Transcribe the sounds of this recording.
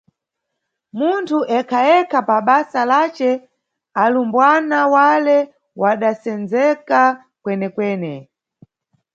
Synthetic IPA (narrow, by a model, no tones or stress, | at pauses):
muntʰuʔɛkʰajɛkʰapaɓasalat͡ʃɛ | alumbwanawalɛ | waɗasɛnd͡zɛka | kwɛnɛkwɛːnɛ